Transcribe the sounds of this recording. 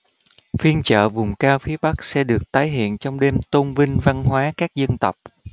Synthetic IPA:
fi˧ənt͡ɕə̰ː˧˨vʊ˨˩ŋ͡mkaː˧wfi˨˦əɓa˦˥k̚sɛ̰˧˥ɗɨ˨˩ək̚t̪aː˨˦jɦḭ˧˨ənt͡ɕɔ˧wŋ͡mɗe˧mt̪ə˧ŋ͡mvï˧ŋ̟va˧nɦwaː˨˦kaː˦˥k̚zə˧nt̪ə˨˩wk͡p̚

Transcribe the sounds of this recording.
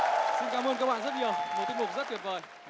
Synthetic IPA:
si˧nkaː˨˦mʔəː˧nkaː˦˧k̚ɓa̰˧˨zə˦˥t̚ɲi˨˩əwmə˨˩t̪k̚mʊ˨˩k͡p̚zə˦˥ki˨˩əp̚vəː˨˩j

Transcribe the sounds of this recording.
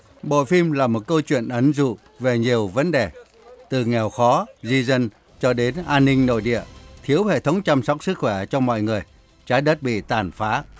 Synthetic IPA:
ɓo̰˧˨fi˧mlaː˨˩mo˨˩t̚kə˧wt͡ɕwḭ˧˨ənʔə˨˩nzṵ˧˨ | ve˨˩ɲi˨˩əwvə˨˦nɗe˨˩ | t̪ɨ˨˩ŋɛ˨˩wxɔ˨˦zi˧zə˧n | t͡ɕɔ˧ɗe˨˦nʔaː˧nːï˧ŋ̟no̰˧˨jɗḭ˧˨ət̪ʰi˨˦əwhḛ˧˨t̪ʰə˨˦wŋ͡mt͡ɕa˧msa˦˥wk͡p̚sɨ˦˥k̚xwɛ˧˩t͡ɕɔ˧mɔ̰˧˨jŋɨ˨˩əj | t͡ɕaː˨˦jɗə˦˥t̚ɓḭ˧˨t̪aː˨˩nfaː˨˦

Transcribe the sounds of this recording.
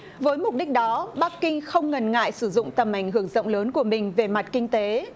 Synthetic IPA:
vəː˨˦jmʊ˨˩k͡p̚ɗi˦˥k̟̚ɗɔ˨˦ɓa˦˥k̚kːï˧ŋxə˧wŋ͡mŋə˨˩nŋa̰ː˧˨jsɨ˧˩zʊ̰˧˨ŋ͡mt̪ə˨˩mʔa˧˩jŋ̟hɦɨ˧˩əŋzə̰˧˨wŋ͡mləː˨˦nku˧˩əmï˨˩ŋ̟ve˨˩ma˨˩t̚kï˧ŋ̟t̪e˨˦

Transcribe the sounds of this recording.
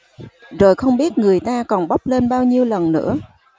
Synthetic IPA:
zo˨˩jxə˧wŋ͡mɓi˦˥ət̚ŋɨ˨˩əjt̪aː˧kɔ˨˩nɓa˦˥wk͡p̚le˧nɓaː˧wɲi˧əwlə˨˩nːɨ̰˧˥ə

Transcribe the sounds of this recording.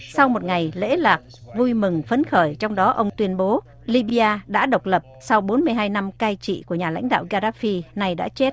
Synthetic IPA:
sa˧wmo˨˩t̚ŋa˨˩jlḛ˧˥laː˨˩k̚vu˧jmɨ˨˩ŋfə˨˦nxəː˧˩jt͡ɕɔ˧wŋ͡mɗɔ˨˦ʔə˧wŋ͡mt̪wi˧ənɓo˨˦ | li˧ɓi˧ʔaː˧ɗa̰ː˧˥ɗə˨˩wk͡p̚lə˨˩p̚sa˧wɓo˨˦nmɨ˧əjɦaː˧jna˧mkaː˧jt͡ɕḭ˧˨ku˧˩əɲaː˨˩la̰˧˥jŋ̟ɗa̰ː˧˨wɣaː˧zaː˦˥fi˧na˨˧˩jɗa̰ː˧˥t͡ɕe˦˥t̚

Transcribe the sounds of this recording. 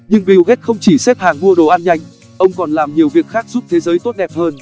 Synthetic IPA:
ɲɨ˧ŋɓi˨˩wɣe˦˥t̚xə˧wŋ͡mt͡ɕi˧˩se˦˥p̚haː˨˩ŋɓu˧əɗo˨˩ʔaː˧nɲa˧jŋ̟ | ʔə˧wŋ͡mkɔ˨˩nlaː˨˩mɲi˨˩əwvi˨˩ək̚xaː˦˥k̚z̥u˦˥p̚t̪ʰe˨˦zəː˨˦jt̪o˦˥t̚ɗɛ˨˩p̚həː˧n

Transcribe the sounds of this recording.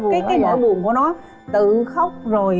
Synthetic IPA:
kaː˨˦jaː˨˦jɲɔ̰˧˥ɓṵ˧˨nku˧˩ənɔ˨˦ | t̪ɨ˨˩xa˦˥wk͡p̚zo˨˩j

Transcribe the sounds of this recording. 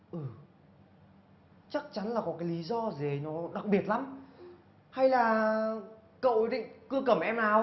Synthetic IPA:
ʔɨː˨˩ | t͡ɕa˦˥k̚t͡ɕa˨˦nlaː˨˩kɔ˨˦kaː˨˦jli˨˦zɔ˧ze˨˩nɔ˨˦ɗa˨˩k̚ɓi˨˩ət̚la˨˦m | ha˧jlaː˨˩ | kə̰˧˨wɗḭ˧˨ŋkɨ˧əkə˧˩mʔɛ˧mlaː˨˩w

